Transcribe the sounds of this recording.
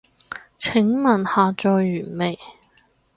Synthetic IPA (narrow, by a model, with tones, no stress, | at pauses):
t͡sʰɪ˨˥ŋmɐ˨˩nhaː˨t͡ʃɔː˨jːyː˨˩nme˨˩j